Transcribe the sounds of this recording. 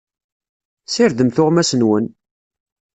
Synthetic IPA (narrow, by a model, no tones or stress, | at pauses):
sɪɾd̪əmθʊʁmæsənwən